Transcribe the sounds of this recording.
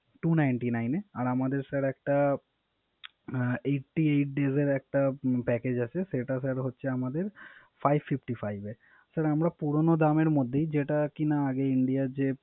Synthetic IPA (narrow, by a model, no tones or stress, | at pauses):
ʈunajɳʈinajneaɾamad̪eɾsɛɾɛk̚ʈa | eʈːiejʈ̚ɖezeɾɛk̚ʈapɛked͡ʑat͡ɕʰeseʈasɛɾɦotːʃʰeamad̪eɾ | fʰajbfifʈifʰajbe | saɾamɾapuɾonod̪ameɾmod̪ʱːejd͡ʑeʈakinaːɡeiɳɖijad͡ʑe